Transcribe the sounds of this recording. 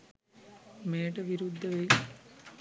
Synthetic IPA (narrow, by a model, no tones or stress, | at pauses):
meːʈɐʋiɾud̪ʱːɐʋɐj